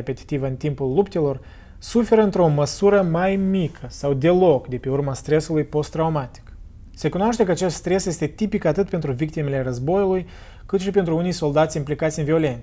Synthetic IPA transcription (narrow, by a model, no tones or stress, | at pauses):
epe̞t̪i̥t̪ivəɨnt̪impulːupt̪e̞lo̞r | sufe̞ɾəɨnt̪ɾeoməsuɾəmajmikʰəsawd̪e̞lo̞kd̪e̞pe̞urmast̪ɾe̞sulujpo̞st̪ːɾaumat̪i̥k | se̞kunoaʃt̪e̞kəat͡ʃe̞st̪st̪ɾe̞sje̞st̪e̞t̪ipikat̪ɨt̪̚pe̞nt̪ɾuvik̚t̪ime̞le̞rəzbo̞juluj | kɨt̪ʃipe̞nt̪ɾuunijso̞ld̪at̪sʲimplikat̪sʲɨnvio̞le̞nt̪